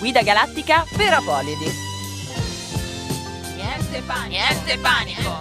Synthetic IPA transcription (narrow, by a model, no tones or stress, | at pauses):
ɡwiːd̪aɡalat̪ːikapeɾoapɔːlːid̪i | nɛnt̪epaɛnt̪epa